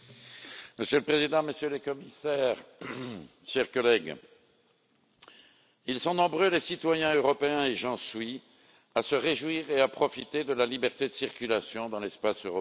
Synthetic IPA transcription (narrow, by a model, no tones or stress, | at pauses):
məsjøləpχezid̪ɑ̃məsjølekɔmisɛːʁ | ʃɛʁkɔlɛɡ | ilsɔ̃nɔ̃bʁølesit̪wajɛ̃øʁɔpeɛ̃eʒɑ̃sɥi | asəʁeʒwiʁeapχɔfit̪ed̪əlalibɛʁt̪ed̪əsiʁkʲylasjɔ̃d̪ɑ̃lɛspasøʁɔp